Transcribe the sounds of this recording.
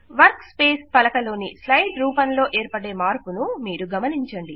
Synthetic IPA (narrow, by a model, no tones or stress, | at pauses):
ʋɐɾkspe̞ːspɐlɐkɐlo̞ːnislɐjɖɾuːpɐnlo̞ːʔeːɾpɐɽeːmaːɾpunumiːɾuɡɐmɐniɲt͡ʃɐɳɖi